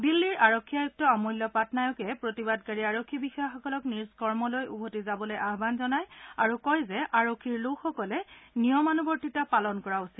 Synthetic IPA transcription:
bilːiɹaɹokʰːiajuk̚tɔamɔjlːɔpatnajɔkɛpɹotibadkaɹiaɹokʰːibixɔjaxɔkɔlɔkniɹskɔɹmɔlojʔubʱotizabɔlojʔaɦbanzɔnajaɹukɔjzɛʔaɹokʰːiɹlokxɔkɔlɛnijɔmanubɔɹtitapalɔnkɔɹausi

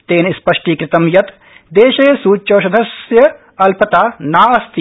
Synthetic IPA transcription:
t̪eːnspɐʂʈiːkɾɪt̪ɐmjɐt̪ | d̪eːʃeːsuːt͡ʃoːʃɐd̪ʱɐsjɐ | ɐlpɐt̪aːnaːɐst̪i

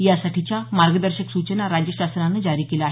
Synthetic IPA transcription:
jasaʈʰit͡ɕjamaɾɡəd̪əɾɕəksut͡ɕənaɾad͡ʑjəɕasɾanːəd͡zaɾiːkelaːɦ

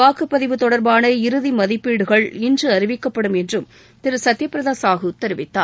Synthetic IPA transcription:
aːkɯpːɐðɪʋɯt̪ːɔɽɐɾbaːnɐɪɾɯðimɐðɪpːiːɽɯɣɐɭɪndrɯɐɾɪʋɪkːɐpːɐɽɯmɛndrɯm | t̪ɪɾɯsɐt̪ːɪjɐpːɪɾɐðaːsaːɣɐʊt̪ːɐɾɯʋɪt̪ːa̰ː

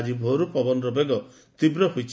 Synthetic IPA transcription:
d͡ʒibʱoɾupɔbɔnɾɔbeɡɔ | t̪ibɾɔɦut͡ʃʰ

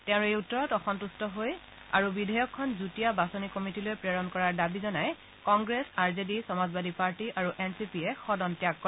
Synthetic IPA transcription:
tɛ̃ʊ̃ejutːɔɹɔtɔxɔntustɔɦoj | a̰ɹubidʱɔjɔkʰːɔnzutijabasɔnikɔmitilojpɹeɹɔnkɔɹaɹdabizɔnaj | kɔŋɡɹesaɹzedisɔmazbadʱipaɹtiʔaɹuʔɛnsipiɛxɔdɔntjakːɔ

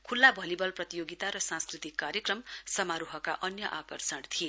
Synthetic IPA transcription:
kʰulːabʱʌlibʌlprʌt̪ijoɡit̪aɾʌsãnskrit̪ikːaɾjekrʌmsʌmaɾuɦʌkaʔʌnjʌʔakʌrsʌɽt̪ʰie

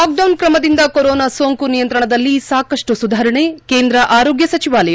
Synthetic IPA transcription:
aːk̚ɖɐwnkɾɐmɐd̪ind̪ɐkoɾɔːnasoːŋkunijɐnt̪ɾɐɳɐd̪ɐlːisaːkɐʂʈusud̪ʱaːɾɐɳeːkeːnd̪ɾɐʔaːɾoːɡjɐsɐt͡ʃiʋaːlɐja

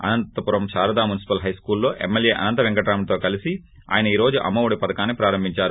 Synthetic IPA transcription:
ɐ̰nɐnt̪ɐpuɾɐmʃaːɾɐd̪aːmunisi̥pɐlɦɐjskuːlːo̞ːʔḛmːelje̞ːʔɐ̰nɐnt̪ɐʋeŋkɐʈaːmt̪o̞ːkɐlisi | a̰ːjɐnɐiːɾo̞ːd͡ʒuʔɐ̰mːɐʋuɽipɐd̪ɐkaːnːipɾaːɾɐmbʱiɲt͡ʃaːɾu

